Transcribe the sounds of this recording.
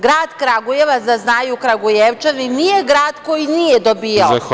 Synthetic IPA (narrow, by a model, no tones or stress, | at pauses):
ɡɾaːd̪kɾaɡujeʋazaznaːjukɾaɡujeʋt͡ʃaninije̞ɡɾaːd̪ko̞jinijed̪obiːjao